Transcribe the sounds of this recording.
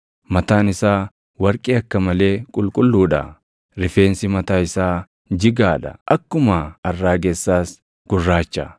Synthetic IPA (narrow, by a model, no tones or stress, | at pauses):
mɐt̪aːnɪsaː | wɐɾkʼiːɐkːɐmɐle̞ːkʼʊlkʼʊlːuːᶑɐ̰ | ɾɪfe̞ːnsɪmɐt̪aːɪsaː | d͡ʒɪɡaːᶑɐ̰ʔɐkːʊmaɐrːaːɡeːsːaːs | ɡ̥ʊrːaːt͡ʃːɐ